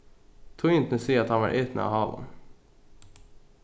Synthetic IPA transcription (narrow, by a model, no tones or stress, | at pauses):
t̪ʰʊɪnt̪nəsiːəɑt̪hɑnʋɑ̰ɾʔeːt̪nəɑ̰hɑːlə̰n